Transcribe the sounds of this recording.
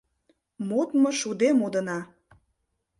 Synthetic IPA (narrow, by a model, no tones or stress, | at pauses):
mot̪moʃud̪emod̪ə̆nɑ